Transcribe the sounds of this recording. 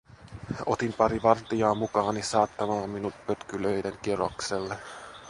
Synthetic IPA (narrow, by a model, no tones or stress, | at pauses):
o̞t̪impɑɾiʋɑrt̪iɑːmukɑːnisɑːt̪ːɑmɑːmmːinuppøt̪kyløjdeŋkiro̰kselːe